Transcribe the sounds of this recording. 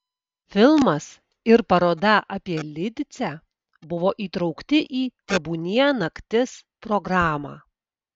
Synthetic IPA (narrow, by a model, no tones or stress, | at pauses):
fʲɪlˠmɐs | ɪɾpɐɾoːd̪ɐʔɐpʲiɛlʲɪd̪ʲt̪sʲæː | bʊʋoːʔiːt̪ɾɒʊkt̪ʲɪʔiːt̪ʲɛbuːnʲiɛnɐkt̪ʲɪspɾɔɡɾɑːmɑ̰ː